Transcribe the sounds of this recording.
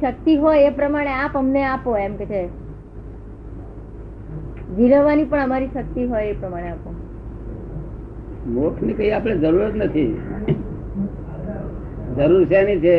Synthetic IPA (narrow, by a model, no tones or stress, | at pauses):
ʃək̚t̪iɦojepɾəmaɽ̃eapəmneapoemket͡ʃʰe | ʋiɾəʋːanipəɳəmaɾiʃək̚t̪iɦojepɾəmaɽ̃eapo | mokʰnikəiapɽ̃ed͡ʒəɾuɾət̪nət̪ʰi | d͡ʒəɾuɾt͡ʃʰenit͡ʃʰe